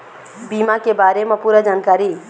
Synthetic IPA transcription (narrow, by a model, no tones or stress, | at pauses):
bimakebaːɾemẽpuːɾəd͡ʒaːnkaːɾi